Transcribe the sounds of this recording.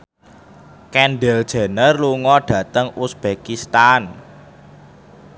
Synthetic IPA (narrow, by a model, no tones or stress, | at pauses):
kɛnɖɛld̥ʒ̥ɛ̤nərluŋɔɖ̥ä̤t̪əŋusb̥ekist̪an